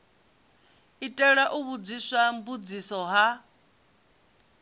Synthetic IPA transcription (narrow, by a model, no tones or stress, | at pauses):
itʼɛɺaʔuβud͡zisambud͡zisɔɦa